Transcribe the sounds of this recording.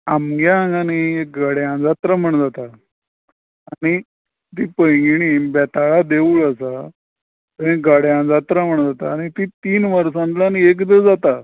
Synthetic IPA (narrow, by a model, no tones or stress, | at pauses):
amɡjãŋɡaniek̚ɡaɽjãd͡zat̪ɾam̤əɳd͡zat̪a | ñi | t̪iːpəjɡɽ̃iːbɛt̪aɭad̪euːɭasa | t̪əĩɡaɽjãd͡zat̪ɾam̤əɳd͡zat̪aːɽ̃it̪iːt̪iːnʋəɾsãnt̪laniekd̪əd͡zat̪a